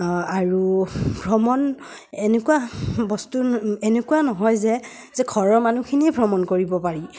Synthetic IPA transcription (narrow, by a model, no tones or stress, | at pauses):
aɹubʱɹɔmɔn | enekuwabɔstuenekuanɔɦɔjzɛ | zɛkʰɔɹɔɹmanukʰiniebʱɹɔmɔnkoɹibɔpaɹi